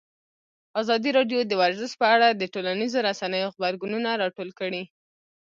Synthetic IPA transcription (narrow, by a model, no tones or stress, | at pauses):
azɑd̪iɾɑɖjod̪əwaɾzɪʃ̚pəaɽad̪əʈolanizoɾasanəjoɣbaɾɡununaɾɑʈolkəɽi